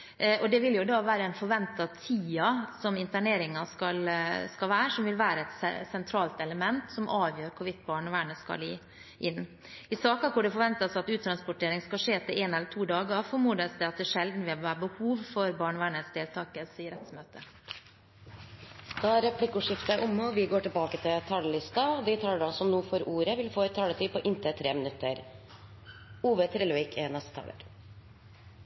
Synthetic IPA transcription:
ʔɔd̪ɛʋɪljʊd̪ɑʋæːɾəɛnfɔɾʋɛnt̪ɑt̪ʰiːɑsɔmɪnt̪æɳeːɾɪŋɑskɑlskɑlʋæːɾəʂɔmʋɪlʋæːɾəɛt̪sɛ̰sɛnt̪ʰɾɑːlt̪ɛləmɛnt̪sɔmʔɑːʋjøːɾkʰʊʋɪt̪ːbɑːɳəʋæːɳəskɑ̰lɪ̰ː | ʔɪnː | ɪsɑːkɑkʰʊɖɛfɔɾʋɛnt̪ɑsɑt̪ʉːt̪ʰɾɑnspʊʈʰeːɾɪŋskɑʂeːt̪ʰɪeːnɛlːəʈʰuːd̪ɑːɡəɑfɔɾmuːd̪əsd̪ɛɑt̪̚d̪ɛːʂɛld̪n̩ʋɪhɑʋæːɾbəhuːʋfɔɾbɑːɳʋæːɳəsd̪eːlt̪ʰɑːkəsiːəɾɛt̪smøːt̪ʰə | d̪̥ɑæɾɛpʰlɪkːʊʂɪft̪ʔʊmːəɔʋɪɡoːʈɪlbɑːkət̪ʰɪlt̪ʰɑləlɪst̪ɑd̪ɪt̪ʰɑːləɖɑsɔmnuːfɔɾuːɾəʋɪlfoːɛt̪ʰːɑːlət̪ʰyːpɔʔɪnt̪ʰət̪ʰɾeːmɪnʉt̪ʰːə̰ɾ | uːʋət̪ʰɾɛːlʋɪkʰenɛst̪ət̪ʰɑ̰ːlə̰ɾ

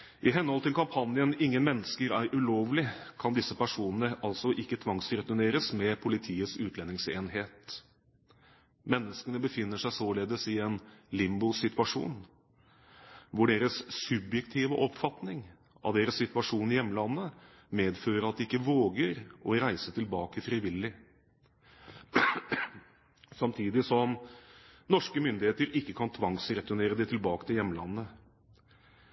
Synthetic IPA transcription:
ʔɪɦɛnːɔlt̪ʰɪlkʰɑmpʰɑnjənɪŋːənmɛnːəskəɾæɾʔʉloːʋlɪkʰɑnd̪ɪsːəpæʂuːnənəʔɑlsɔʔɪkːət̪ʰʋɑŋsɾɛt̪ʊneːɾəsmɛpʰʊlɪt̪ʰiːəsʉːt̪lɛnːɪŋseːnheːt̪ | mɛnːəskənəbəfɪnːəʂæɪsoːleːd̪əsɪɛnlɪmbʊsɪt̪ʉɑʂṵːn | ʋʊɖeːɾəsːʉbjɛkt̪ʰiːʋəʔɔpfɑt̪nɪŋ | ɑ̰ʋd̪eːɾəsːɪt̪ʋɑʂuːnɪjɛmːəlɑnːə | meːd̪føːɾəɾɑt̪̚d̪ɪɪkːəʋoːɡəɾɔɾæɪsət̪ʰɪlbɑːkəfɾɪʋɪlːɪ | sɑmt̪ʰiːd̪ɪsɔm | nɔʂkəmʏnd̪ɪheːt̪əɾɪkːəkʰɑnt̪ʰʋɑŋsɾɛt̪ʊneːɾəd̪ɛɪt̪ʰɪlbɑːkət̪ʰɪljɛmːəlɑnːə

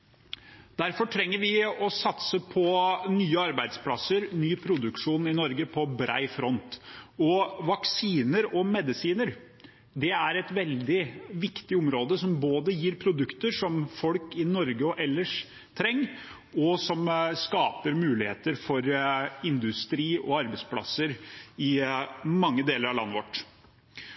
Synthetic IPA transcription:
d̪̥æɾfɔʈʰɾɛŋːəɾʋɪɔsɑt̪səpʰɔnyːəɑɾbæɪd̪splɑsəɾnyːpʰɾʊd̪ʉkʂuːnɪnɔɾɡəpʰɔbɾæ̰ɪfɾɔnt̪ɔʋɑksiːnəɾɔmɛd̪ɪsiːnəɾ | d̪ɛæɾɛt̪ʋɛld̪ɪʋɪkt̪ɪɔmɾoːd̪əsɔmboːd̪əjiːɾpʰɾʊd̪ʉkt̪əʂɔmfɔlkɪnɔɾɡəɔʔɛlːəʂ | t̪ʰɾɛŋː | ɔsɔmskɑːpəɾmʉːlɪheːt̪əɾfɔɾɪnd̪ʉst̪ɾiːɔ̰ɑɾbəspʰlɑ̰sːəɾɪmɑŋːəd̪eːləɾɑʋlɑ̰nːəʋɔʈː

